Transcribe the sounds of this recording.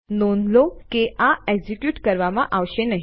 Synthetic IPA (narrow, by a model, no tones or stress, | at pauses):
nonlokeʔãɛɡd͡zikjuːʈkəɾʋamãʔaʋɕenəɦ